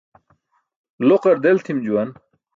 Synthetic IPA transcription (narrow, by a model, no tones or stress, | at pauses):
loqɐɾd̪elt̪ʰimd͡ʑuwɐn